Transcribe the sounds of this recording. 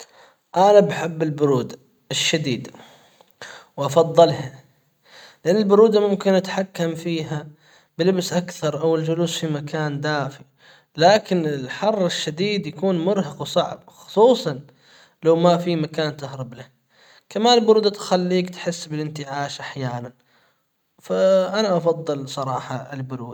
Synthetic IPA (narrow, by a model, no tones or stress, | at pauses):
ʔanabħɪbːɪlbʊɾuːd̪a | ʔɪʃːad̪iːd̪ | wʔɑfɑðˤːɨlha | lɪʔanːalbʊɾuːd̪amʊmkɪnʔat̪ħakːamfiːɦa | bɪlɪbsʔakθɑɾˤʔawɪld͡ʒʊluːsfimakaːnd̪aːfi | laːkɪnɪlħɑrˤːɪʃːad̪iːd̪jakuːnmʊɾɦɑqwsˤɑʕb̚xʊ̥sˤuːsˤɑn | lawmafimakaːnt̪ahɾˤɑblah | kamaːnɪlbʊɾuːd̪at̪xalːiːkt̪ħɪsːbɪlʔɪnt̪ɪʕaːʃʔaħjaːnan | faʔanaʔɑfɑd̪ˤːɨlsˤɑɾˤɑːħɑɪlbʊɾuːd̪a